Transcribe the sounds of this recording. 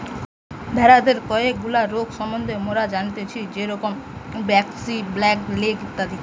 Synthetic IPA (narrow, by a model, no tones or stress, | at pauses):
bʱɛɾad̪eɾkɔeek̚ɡulaɾoɡʃɔmond̪ʱemoɾad͡ʑant̪et͡ɕʰid͡ʑeɾɔkombɛksiblɛklekit̪ːad̪i